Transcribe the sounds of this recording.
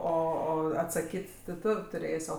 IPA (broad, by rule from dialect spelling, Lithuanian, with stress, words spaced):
ˈoː ˈoː ɐtsɐˈkʲiːtʲ tʲɪ ˈtʊ tʊˈrʲeːsʲ ˈoː